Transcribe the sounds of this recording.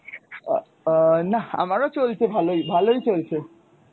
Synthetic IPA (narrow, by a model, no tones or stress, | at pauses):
naa̰maɾot͡ʃolt͡ʃʰebʱaloibʱaloit͡ʃolt͡ʃʰe